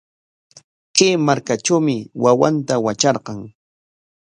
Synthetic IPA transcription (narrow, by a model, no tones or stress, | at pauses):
kemaɾkaʈ͡ʂawmɪwawa̰nt̪awat͡ʃɑɾqɑŋ